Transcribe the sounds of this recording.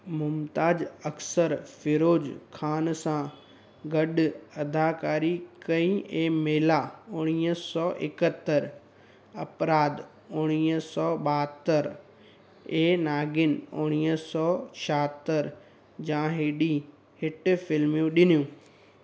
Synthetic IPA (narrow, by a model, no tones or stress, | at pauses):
mʊmt̪aːd͡ʑɐksəɾfɪɾoːd͡ʑkʰaːnsã | ɡɐɗɐd̪ʱaːkaːɾikɐĩẽːmeːlaʊɽ̃iːsɔːʔɪkət̪ːəɾ | ɐpɾaːd̪ | ʊɽ̃iːsɔːɓaːɦət̪ːəɾ | eːnaːɡɪnʊɽ̃iːsɔːt͡ɕʰəɦət̪əɾ | d͡ʑãːɦeːɗi | ɦɪʈ̆fɪlmjũɗɪnijũː